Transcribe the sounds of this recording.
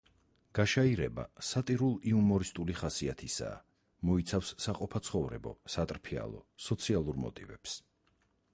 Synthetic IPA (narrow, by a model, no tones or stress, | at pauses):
ɡ̥aʃaiɾɛba̰sat̪ʼiɾulˠiumɔɾist̪ʼuliχasiat̪ʰisa̰ː | mɔit̪sʰafsːaqʼɔpʰat̪sʰχɔvɾɛ̰bɔ̰sat̪ʼɾpʰia̰lˠɔ̰sɔt̪sʰialˠuɾmɔ̰t̪ʼivɛps